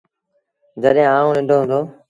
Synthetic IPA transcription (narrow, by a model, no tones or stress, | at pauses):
d͡ʒəɗẽːaːũːnɪ̃ɳɖʱoːɦʊ̃ːnd̪oː